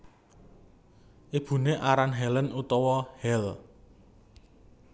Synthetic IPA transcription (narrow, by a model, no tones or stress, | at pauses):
ʔib̥ṳneʔaɾanɦɛlənut̪ɔwɔhɛl